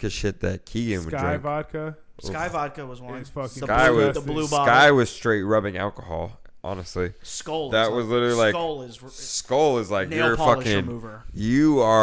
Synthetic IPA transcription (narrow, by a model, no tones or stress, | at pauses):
kʰɨd̥ʃɪt̪̚ðɨt̚kʰiɪ̃nwɨ̃dɹɪ̃vɑd̚kʰə | skaɪvɑd̚kɨwʌzw̃fʌkskaɪwʌzəbluskaɪwʌz̥stɹ̥eɪt̚ɹʌbɪ̃ŋæ̰lˠkəhɔ̰lˠ | ʔɑ̰nɨstˡliskoʊlˠðɨt̚wʌzlɪɾl̩ˠilaɪklˠɪz | skoʊlˠɪzlaɪkjə˞fʌkɪ̃ŋmuvə˞jɨə